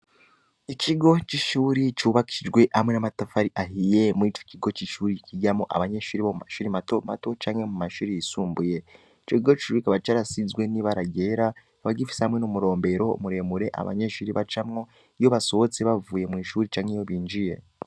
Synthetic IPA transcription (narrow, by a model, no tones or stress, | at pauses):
icʰiɡo̞t͡ʃiʃuːɾit͡ʃuβakiiid͡ʒɡwe̞ʔamwe̞namatafaɾiʔaɦije̞miːt͡ʃo̥ciɡo̞t͡ʃiʃuːɾiciɟamoʔa̰βaɲe̞ʃuːɾiβomumaʃuːɾimatoma̰to̞t͡ʃaːŋhe̞mumaʃuːɾijisuːmbuje̞ | it͡ʃociɡoi̥ʃuɾikaβait͡ʃaːɾasizɡwe̞niβaɾaɟe̞ɾa | aβaɟifi̥sehamŋe̞nomuɾo̞ːmbe̞ɾo̞̰ːmuɾe̞ːmuɾe̞ʔa̰βa̰ɲe̞ʃuːɾiβat͡ʃamŋo̞ | jo̞βaso̞βot͡seβavuːje̞mŋiːʃuːɾit͡ʃaːŋhejo̞βiːnd͡ʒije̞̰